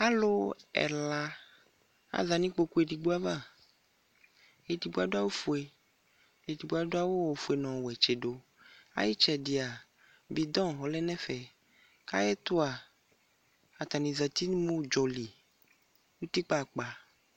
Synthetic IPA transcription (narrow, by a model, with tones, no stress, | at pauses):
a˦lo˦ɛ̰˨la˨ | a̰˨za˨nĩ˦k͡po˦ku˦e˨ɖi˨ɡ͡bo˦a˦vã˦˨ | e˨di˨ɡ͡bo˦a˨do˦a˦wo˦fu˨e˨ | e˨di˨ɡ͡bo˦a˨do˦a˦wo˦wo˨fu˨e˨nɔ̃˨wɛ˨t͡ʃe˨ɖo˦ | a̰˦ji˦t͡ʃɛ˨di˨a˨ | bi˨d̪ɔ̃˦ɦɔ˨lɛ˦nɛ̃˦fɛ˨ | ka̰˦jɛ˦t̪o˦a˨ | a˨t̪a˨nĩ˨za˨t̪i˦n˦mõ˦d͡ʒɔ˨li˨ | wu˦t̪i˦k͡pa˦˨k͡pa˨